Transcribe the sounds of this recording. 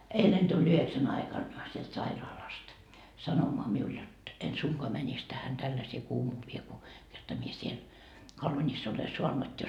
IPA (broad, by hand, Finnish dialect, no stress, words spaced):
eilen tulʲ yheksæn ɑikɑn sielt sɑirɑːlɑst sɑnomoɑ miul jot en suŋkoɑ mænis tæhæn tælːæseː kuːmuːʋie ku kertɑ mie siel ole suɑnut jo